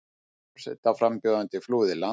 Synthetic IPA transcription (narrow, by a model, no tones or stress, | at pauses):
sɛ̰t̪afɾampjoːðant̪ɪfluːðɪla